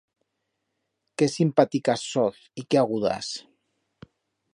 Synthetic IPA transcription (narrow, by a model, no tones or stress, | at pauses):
kesimpat̪ikasːɔθ | ikeaɣuða̰s